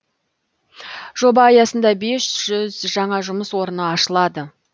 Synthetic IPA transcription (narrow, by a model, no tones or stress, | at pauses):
ʒ̥o̞bɑːjɑsənd̪ɑbe̞sʒ̥ʏzʒɑɴɑʒʊməswo̞ɾənəɑʃəlˠɑd̪ə